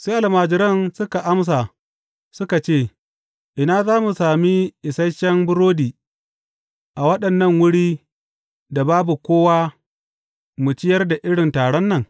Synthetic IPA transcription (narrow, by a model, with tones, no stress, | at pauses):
seː˦ʔa˨lmaː˨d͡ʒɪ˦ɾɐ˦nsʊ˦ka˨ʔa˦ms̬a˨ | sʊ˦ka˨t͡ʃeː˦˨ | ʔɪ˨naː˦zaː˦mu˨saː˨mi˦ʔɪ˨sɐ˦jʃɐ˦mbʊ˦ɾoː˦diː˨ | ʔa˨wɐ˦ɗɐ˨nːɐ˦˨ŋwʊ˦ɽiː˦ | da˨baː˦bu˨kʷoː˦waː˦ | mʊ˨t͡ʃɪ˦jɐ˦rda˨ʔɪ˦ɽɪ˨ntaː˨ɽɔ˦nːɐ˦˨ŋ